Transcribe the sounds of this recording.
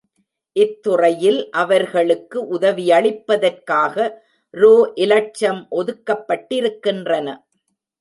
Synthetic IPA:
ʔɪt̪ːʊrɐjɪlʔɐʋɐɾɣɐɭɯkːɯʔʊðɐʋijɐɭɪpːɐðɐrkaːɣɐ | ɾoːʔɪlɐt͡ʃːɐmʔɔðɯkːɐpːɐʈːɪɾɯkːɪndrɐnɐ

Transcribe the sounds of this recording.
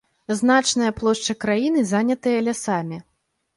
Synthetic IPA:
zn̪at͡ʂnɐjɐplˠɔʂt͡ʂɐkɾajinɨzanʲɐt̪ɨjɐlʲasamʲi

